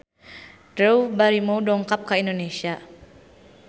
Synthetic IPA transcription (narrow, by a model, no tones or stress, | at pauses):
dɾewbaɾimowdɔŋkap̚kaindonesia